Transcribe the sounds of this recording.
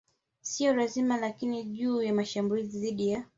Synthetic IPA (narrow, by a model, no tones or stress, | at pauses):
siɔɾazimalakiniʄuːjamaʃambuliziðiɗija